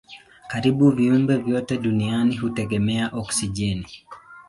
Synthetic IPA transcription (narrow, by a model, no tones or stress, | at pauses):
kaɾibuviumbɛvjɔtɛɗunianiɦutɛɡɛmɛaʔɔksid͡ʒɛni